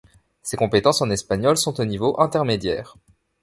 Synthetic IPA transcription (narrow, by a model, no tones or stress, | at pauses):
sekɔ̃pet̪ɑ̃sɑ̃nɛspaɲɔlsɔ̃t̪onivoʔɛ̃t̪ɛʁmed̪jɛːʁ